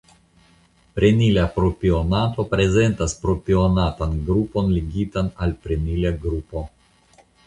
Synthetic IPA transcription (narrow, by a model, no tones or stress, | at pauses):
pɾe̞nilapɾopionato̞pɾe̞ze̞ntaspɾopionatanɡɾupo̞nliɡitanalpɾenilaɡɾupo̞